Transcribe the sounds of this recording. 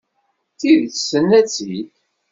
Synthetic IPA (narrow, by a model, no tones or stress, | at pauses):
θiðθsənːæt͡sːit